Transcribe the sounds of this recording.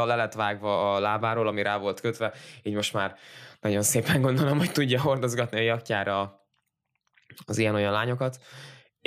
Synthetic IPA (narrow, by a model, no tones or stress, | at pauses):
ɒlɛlɛt̪ʋaːɡvɒːlaːbaːɾoːlɒmiɾʔaːvo̞lt̪køt̪ʋɛiːɟmo̞ʃt̪maːrnɒɟo̞nseːpɛŋɡo̞nd̪o̞lomho̞ct̪uɟːɒɦo̞rd̪o̞zɡɒt̪niɒjɒkcaːɾɒ | ɒzijɛnojɒnlaːɲo̞kɒt̪